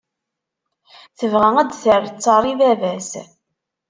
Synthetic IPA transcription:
θəvʁæŋæd̪θəɾˤt͡sːɑɾˤivævæs

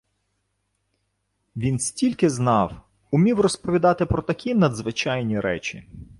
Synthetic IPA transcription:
ʋʲinsʲtʲilʲkɪznɑw | ʊmʲiwrɔspɔʋʲid̪ɑt̪ɪpɾɔt̪ɐkʲinɐd̪zʋɪt͡ʃɑjnʲiɾɛ̰t͡ʃʲḭ

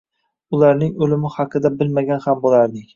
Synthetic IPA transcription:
ʊlˠaɾnɪŋɵlɪmɪhɑqʰɨd̪abɪlmaɡʲanhambolˠaɾd̪ɪŋ

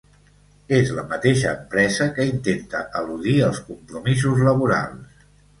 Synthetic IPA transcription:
ezləmət̪eʃəːmpɾɛzəkəint̪ent̪ə̰ʔəluðiəlˠskumpɾumizuzləβuɾa̰lˠs

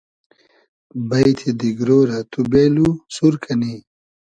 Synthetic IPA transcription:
bɐjt̪ʰid̪iɡɾoːɾɐt̪ubeːlusuɾkʰɐni

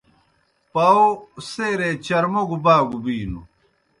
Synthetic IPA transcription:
pɐoseːɾet͡ɕɐɾmoɡubaːɡubiːnṵ

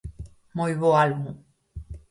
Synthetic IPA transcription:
mojβoalmu

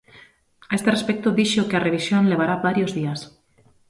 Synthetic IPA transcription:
aest̪erespek̚t̪oðiʃokeareβisjonleβ̞aɾabaɾjozðias

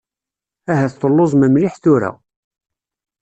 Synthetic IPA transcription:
æɦæθt̪ˤəlːozˤməmliħθʊɾæ̰

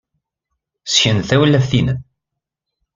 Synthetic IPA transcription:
sçənθæwəlːæfθinən

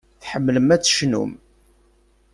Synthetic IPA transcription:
θħəmːləmæt͡sːʃnṵm

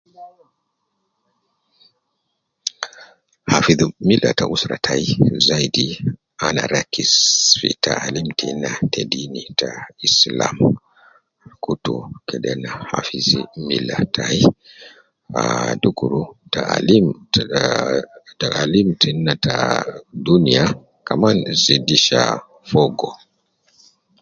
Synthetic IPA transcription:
hafiðmilʔataʔusɾatʰaizajdi | anaɾakisfḭtaalimtʰinːatedinitaislam | kutukɛdɛnaha̰fizimilatʰai | adukuɾutaalim | aʔalimtʰinːatadunija | kamanzidiʃa̰ | fɔɡɔ

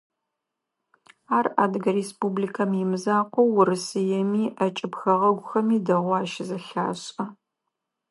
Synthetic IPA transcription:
aːraːdɨɡɐɾespublikʰɐmɪmɨzaːqʷɔwʊɾɨsɨjɛmiːʔɐt͡ʃʼɪpxɐʁɐɡʷʊxɐmiːdɐʁʷaːʃɪzɐɬa̰ːɕʼɐ

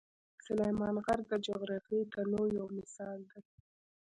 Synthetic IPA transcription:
sʊlajmɑnɣaɾd̪əd͡ʒoɣɾɑfit̪anojawmɪsɑld̪aj

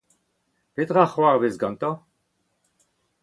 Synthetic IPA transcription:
pet̪ʁaχwaʁbezɡɑ̃nt̪ɑ̃

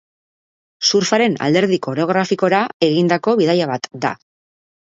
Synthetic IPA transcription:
suɾfaɾe̞na̰ld̪e̞ɾðiko̞ɾoɣ̞ɾafiko̞ɾae̞ɣind̪ako̞βiðajaβat̪d̪a̰

